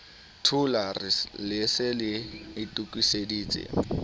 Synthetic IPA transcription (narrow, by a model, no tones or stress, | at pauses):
tʰularɪlɪsɪlɪɪtʼukʼwisediːt͡sʼɪ̰